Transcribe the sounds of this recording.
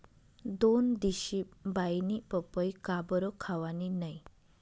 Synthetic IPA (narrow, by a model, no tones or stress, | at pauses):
d̪ond̪iʃibajnipɔpɔjkabɔɾɔkʰawaninəj